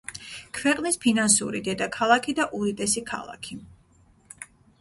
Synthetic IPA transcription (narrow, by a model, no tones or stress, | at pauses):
kʰvɛqʼnispʰinansṵɾḭd̪ɛd̪akʰalˠakʰid̪aʔuɾit̪ʼɛsikʰa̰lˠa̰kʰi